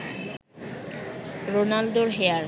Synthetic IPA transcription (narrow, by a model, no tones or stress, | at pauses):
ɾonald̪oɾɦeaɾ